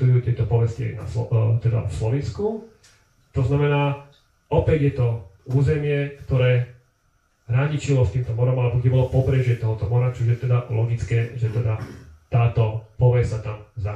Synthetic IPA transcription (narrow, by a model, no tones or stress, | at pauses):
ujuːt̪ɪɛt̪ɔpɔʋɛskia̰ɪna̰sɔt̪ɛd̪a̰slɔʋinsku | t̪ɔznamɛnaː | ɔpɛɟjɛt̪ɔuːzɛmɪɛkt̪ɔɾɛː | ɾaɲit͡ʃilɔst̪iːmt̪ɔmɔɾɔmalɛbɔkɛbɔlɔpɔpɾɛʒɛt̪ɔɦɔt̪ɔmɔɾat͡ʃuʒjɛt̪ɛd̪alɔɡit͡skɛːʒɛt̪ɛd̪at̪aːt̪ɔpɔʋɛssat̪amza